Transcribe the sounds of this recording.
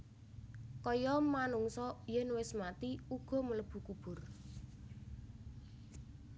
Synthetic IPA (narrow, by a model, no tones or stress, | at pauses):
kɔjɔmanuŋsɔjɛnwɪsmat̪iuɡ̥ɔ̤mələb̥ṳkub̥ʊ̤r